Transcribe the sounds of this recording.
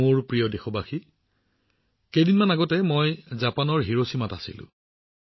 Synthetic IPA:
oɹpɹijɔdexɔbaxi | kejdinmanaɡɔtɛmojzapanɔɹɦiɹosimatasḭlʊ̰̃

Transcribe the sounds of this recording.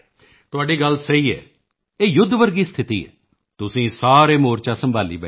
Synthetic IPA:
t̪ʊaːɖiːɡəlsəiːɛ̰ː | eːjʊd̪ʱːʋəɾɡiːst̪ʰɪt̪ḭːɛ̰ː | t̪ʊsĩːsaːɾeːmoːɾt͡ʃaːsəmbʱaːlḭːbɛ̰

